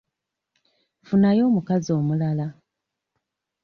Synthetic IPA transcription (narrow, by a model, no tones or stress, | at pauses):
funajo̞ːmukazio̞ːmulala